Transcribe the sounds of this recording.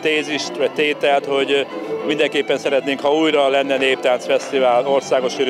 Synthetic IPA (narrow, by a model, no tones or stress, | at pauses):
t̪eːziʃt̪ʋɒc̚t̪eːt̪ɛlt̪ho̞ɟmind̪ɛŋkeːpːɛnsɛɾɛt̪neːŋkhɒuːjrɒlɛnːɛneːp̚t̪aːnt̪sfɛst̪ivaːlo̞rsaːɡo̞ʃiɾ